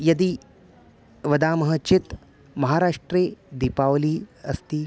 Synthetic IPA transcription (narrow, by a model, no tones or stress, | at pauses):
jɐd̪i | ʋɐd̪aːmɐɦɐt͡ʃit̪ | mɐɦaːɾaːʂʈɾeːd̪ipaːʋliːɐst̪i